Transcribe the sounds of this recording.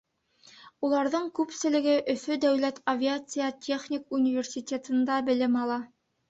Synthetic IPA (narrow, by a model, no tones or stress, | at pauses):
ulˠɑɾðɤɴkʉpsɘ̆lɘ̆ɡɘʔɵ̆fɵd̪æwlæt̪ʰɐvʲɪat̪sɨjətʲʰe̞χnʲikunʲivʲersʲitʲet̪ɤ̆nd̪ɑbɘ̆lɘmɑlˠɑ